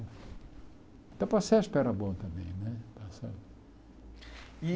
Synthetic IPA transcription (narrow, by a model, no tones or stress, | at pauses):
t̪ɐ̃w̃pɐsɛspɛɾɐbõt̪ɐ̃mbẽj̃nɛpasɛ̰ | i